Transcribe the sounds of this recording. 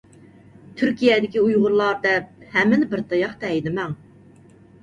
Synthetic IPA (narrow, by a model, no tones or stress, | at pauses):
t̪ʰyɾkʲijɛd̪ɪkʲiujʁʊɾlˠɑɾd̪ɛp̚hɛmːɪnɪbɪɾt̪ʰɑjɑχt̪ɛɛjd̪ɪmɛŋ